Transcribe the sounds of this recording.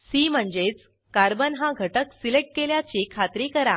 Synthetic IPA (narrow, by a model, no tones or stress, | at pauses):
siːm̤əɳd͡ʑet͡s | kaɾbənɦãɡʱəʈəksileʈ̚keljat͡ɕikʰat̪ɾikəɾa